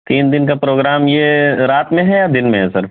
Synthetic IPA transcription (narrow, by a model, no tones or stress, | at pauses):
t̪iːnd̪ɪnkapɾoːɡɾaːmjeɾaːt̪mẽɦɛjad̪ɪnmẽɦɛsɐɾ